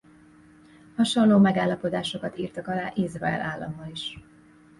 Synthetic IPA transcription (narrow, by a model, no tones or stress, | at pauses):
hɒʃonloːmɛɡaːlːɒpo̞d̪aːʃo̞kɒt̪iːrt̪ɒkɒlaːʔizrɒɛ̰lʔaːlːɒ̰mːɒliʃ